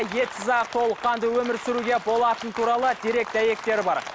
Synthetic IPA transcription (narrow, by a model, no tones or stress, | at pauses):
je̞t̪ɪzɑqt̪ʰo̞lˠəqːɑnd̪əwɵmɪɾsɪɾuɡʲe̞bo̞lˠɑt̪ənt̪ʰuɾɑlˠəd̪ʰeɾe̞k̚t̪ʰæje̞k̚t̪e̞ɾɪbɑɾ